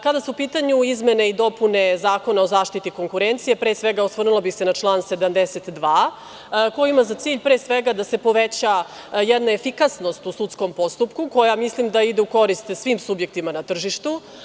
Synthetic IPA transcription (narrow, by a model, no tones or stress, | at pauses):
kad̪asuupiːt̪aɲuizme̞ne̞id̪o̞pune̞zaːko̞naozaːʃt̪it̪iko̞ŋkuɾent̪sije̞pɾeːsʋeɡaost̪rnulˠobixse̞nat͡ʃlˠaːnse̞d̪amd̪eset̪d̪ʋaː | kojimazat̪siːʎpɾeːsʋeɡad̪ase̞po̞ʋet͡ɕa | jɛd̪naefikasno̞st̪usut̪sko̞mpo̞st̪upkuko̞jamislimd̪aid̪euko̞ɾist̪sʋiːmsubje̞k̚t̪imanat̪r̩ʒiʃt̪u